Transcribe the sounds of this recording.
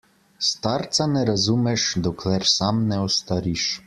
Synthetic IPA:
st̪aɾt̪sanɛɾazumɛʃd̪ɔkʰlɛɾsamnɛɔst̪aɾiʃ

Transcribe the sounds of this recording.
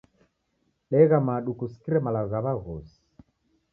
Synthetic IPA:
ɗɛɣamaɗukusi̥kiɾɛmalaɣɔɣaβaɣɔsi̥

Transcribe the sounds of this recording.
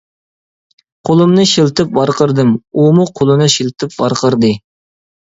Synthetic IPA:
qʰolˠɨmnɨʃilt̪ʰɨp̚bɑɾqəɾd̪ɨmumuqʰolˠɨnɨʃilˠt̪ʰɨp̚bɑ̰ɾqʰəɾd̪ɨ

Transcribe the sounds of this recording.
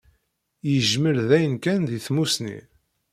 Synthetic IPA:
jəʒməɾðæjənkænðiθmusnḭ

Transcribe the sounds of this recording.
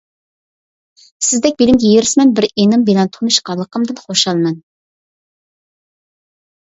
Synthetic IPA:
sɪzd̪ɛk̚ʲbelɪmɡʲɛjeɾɪsmɛnbɪɾenɨmbelɛnt̪ʰunuʃqɑlˠːəqəmd̪ɨnχoʃɑlˠmɛn

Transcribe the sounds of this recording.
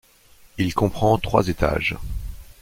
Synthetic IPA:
ilkɔ̃pχɑ̃t̪χwa̰zet̪ʰa̰ʒ

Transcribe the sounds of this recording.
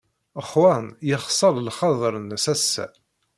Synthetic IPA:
əχwɑnjəχsˤɑɾˤlχɑðˤɾənsæsːæ̰

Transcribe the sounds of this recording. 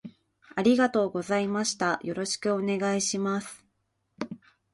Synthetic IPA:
aɾʲiɡat̪o̞ːɡo̞zaimaɕi̥t̪ajo̞ɾo̞ɕi̥kɯ̟o̞ne̞ɡaiɕimasɨ̥

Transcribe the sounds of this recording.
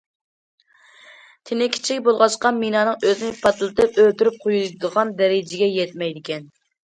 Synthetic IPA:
t̪ʰɪnɪkʲʰi̥t͡ʃʰikʲbolˠʁɑʃqɑminɑːnɨŋøzɪnɪpʰɑt̪lˠɨt̪ɨpølt̪yɾyp̚qʰojud̪əʁɑnd̪ɛɾɪd͡ʒɪɡʲɛjɛt̪̚mɛjd̪ɪkʲʰɛn

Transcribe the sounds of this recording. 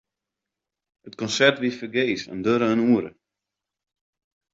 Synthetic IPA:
hətkɔnsɛrtʋifərɡeːsɛ̰ndøɾəənuəɾə̰

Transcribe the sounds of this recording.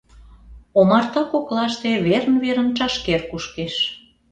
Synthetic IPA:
omɑrt̪ɑkoklɑʃt̪eβernβeɾə̆nt͡ʃɑʃkerkuʃkeʃ

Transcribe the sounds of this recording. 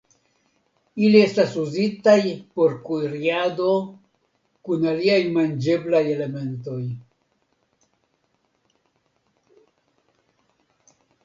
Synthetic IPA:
ilie̞stasuzitajpo̞ɾkuiɾiado̞ | kunaliajmand͡ʒe̞blaje̞le̞me̞nto̞j

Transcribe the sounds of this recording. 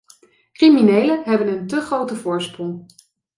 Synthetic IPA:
kriminejləɦɛbənəntɵχrowtəvʊːɹsprɔŋ

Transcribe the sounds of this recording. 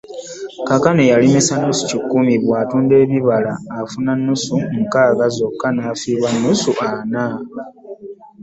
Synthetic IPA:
kakanejalimisanːusu̥cikːumiβwaːtuːnde̞ːβiβala̰ːfunanːusuŋ̩kaːɡazo̞kːanaːfiːβwanːusuʔana

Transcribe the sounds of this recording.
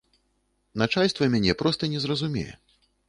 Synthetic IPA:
nat͡ʂalʲst̪vɐmʲanʲɛpɾɔst̪ɐnʲɛzrɐzumʲɛ̰jɛ̰

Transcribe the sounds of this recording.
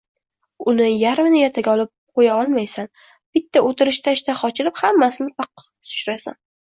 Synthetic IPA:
ʊnɪjaɾmɪnɪjat̪ʰaɡʲɒlˠɪp̚qʰojaɒlˠmajsan | b̥ɪt̪ːaʔot̪ɪɾɪʃt̪ʰaʃt̪aχɒt͡ʃʰɪlɪphamːasɪnɪfɑq | t̪ʰʊ̥ʃɾasa̰n

